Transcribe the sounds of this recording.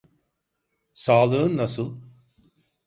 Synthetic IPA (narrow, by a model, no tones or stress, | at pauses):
saːlˠɯɯnːasɯlˠ